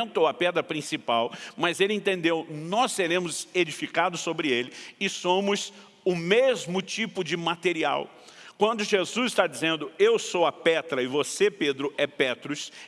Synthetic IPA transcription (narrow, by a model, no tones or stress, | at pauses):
t̪owɐpɛd̪ɾɐpɾĩsipawmɐzelɪẽnt̪ẽnd̪ewnɔseɾẽmʊzed͡ʒifikad̪ʊsːobɾɪelɪɪsõmʊz | ʊmezmʊt͡ʃipʊd͡ʒɪmat̪eɾia̰w | kwɐ̃nd̪ʊʒezuzɪst̪ad͡ʒizẽnd̪ʊewsowɐpɛt̪ɾɐɪvoseped̪ɾʊɛpɛt̪ɾʊs